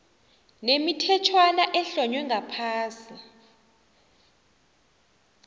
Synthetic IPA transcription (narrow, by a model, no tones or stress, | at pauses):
nemitʰɛtʰwanaʔɛɬɔɲwɛŋɡʱapʰaːsi